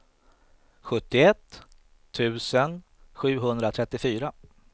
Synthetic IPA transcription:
ɧɵt̪ːɪɛt̪ʰː | ʉ̟ːsən | ɧʉ̟ːɦɵnd̪ɾat̪ʰɾɛt̪ːɪfyːɾa

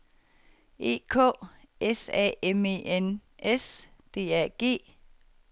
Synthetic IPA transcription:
e̝̰ːkʰɔ̰̽ː | esɛ̰ːeme̝enesd̥e̝̰ːæɐ̰ɡ̥e̝̰ː

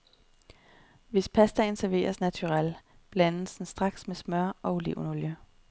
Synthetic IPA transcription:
ʋe̝spʰæsd̥ænsæɐʋe̝̰ːɐsnæt͡sʰuʁɑl̰ | b̥lænl̩sn̩sd̥ʁɑ̈ɡ̥smesmɶɐ̰ɒ̽ule̝ʊnoljə

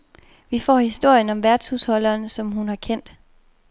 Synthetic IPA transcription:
ʋifɒ̰ːhisd̥o̝ɐ̰jənɒ̽mʋæɐd̥shushɒ̽lɐːnsɒ̽mɦunhɑ̈kʰen̰d̥

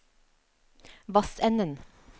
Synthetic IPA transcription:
ʋɑsɛnən

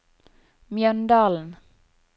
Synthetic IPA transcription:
mjœnd̪aln

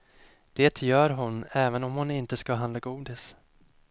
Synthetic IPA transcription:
d̪̥eːt̪ʰjœːɾɦʊnɛːvənɔmhʊnɪnt̪əskaɦand̪laɡuːd̪ɪs

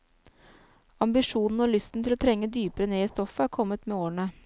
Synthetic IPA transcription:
ɑmbɪʂuːnn̩oːlʏst̪n̩t̪ʰɪloːt̪ʰɾɛŋːəd̪yːpəɾəneːiːst̪ɔfəæːɾkʰɔmːət̪meːoːɳə

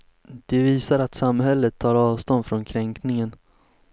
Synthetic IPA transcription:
d̪̥ɛviːsaɾat̪samhɛlːət̪ʰːɑːɾɑːvst̪ɔnd̪fɾɔnkʰɾɛŋknɪŋən

